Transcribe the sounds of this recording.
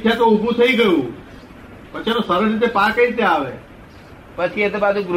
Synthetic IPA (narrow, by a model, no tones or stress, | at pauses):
t̪ʰijat̪oʊbʱũt̪ʰɐiɡəjũː | pət͡ʃʰenosəɾəsɪt̪̬epaːkəit̪eaːʋeː | pət͡ʃʰiet̪ebaːd̪oɡɾ